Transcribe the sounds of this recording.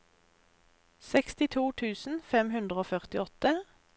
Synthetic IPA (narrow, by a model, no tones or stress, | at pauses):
sɛkst̪ɪt̪ʰuːt̪ʰʉːsn̩fɛmhʉnd̪ʁəoːfœʁt̪ɪɔt̪ə